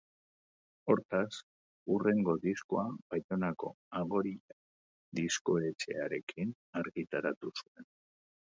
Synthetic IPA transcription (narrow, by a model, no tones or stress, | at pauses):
o̞ɾt̪as | ure̞ŋɡo̞ðiskoabajt̪o̞nako̞̰ | aɣo̞ɾi | d̪isko̞e̞t͡ʃe̞̰aɾe̞kin | aɾɣit̪aɾat̪usue̞n